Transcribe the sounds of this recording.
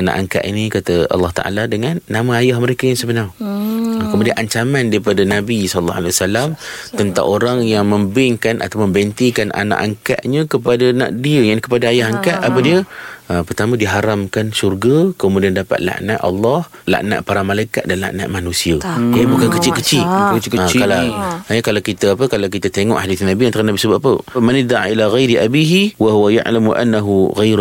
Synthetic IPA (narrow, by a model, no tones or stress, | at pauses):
ana̰ʔa̰ŋka̰ʔḭnikat̪aɑ̰lːɑht̪a̰ʔa̰ladəŋanːamãajahməɾekajaŋsəbənaŋ | kəmudianʔaɲt͡ʃamandaɾipadanabisɔlːɔ̰ɦa̰lewasalamt̪ənt̪a̰ŋoɾaŋjaŋmə̃mbɪŋkanʔa̰t̪awməmbɛnt̪ikanʔa̰na̰ʔa̰ŋka̰ʔɲə̃kəpadana̰ʔdiəjakəpadaajaɦaŋkaʔapadiəəpərt̪amãdiɦaɾamkansurɡakəmudiandapa̰t̪̚la̰ʔnaʔɑ̰lːɑh | la̰ʔna̰ʔpaɾamalajka̰t̪̚danla̰ʔna̰ʔmanũsiədiəbukankət͡ʃɪkət͡ʃɪlakalakalawkit̪əapəkalawk̬it̪at̪eŋɔ̰ʔhadiθnabiant̪aɾanabisəbaʔpəmanɪd̪aʕa̰ilaɣajɾiʔabiɦiwaɦuwaja̰ʔlamuʔa̰nːaɦuɣajɾ